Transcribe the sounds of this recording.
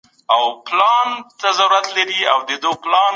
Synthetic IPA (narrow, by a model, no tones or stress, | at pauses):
awplɑnt̪azaɾuɾat̪laɾiawd̪əd̪əplɑn